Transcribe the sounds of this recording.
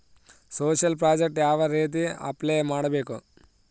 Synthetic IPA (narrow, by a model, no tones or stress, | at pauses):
soːʃɐlpɾaːd͡ʒek̚ʈjaːʋɐɾeːt̪̬iɐ̰pleːmaːɽɐbe̞ːku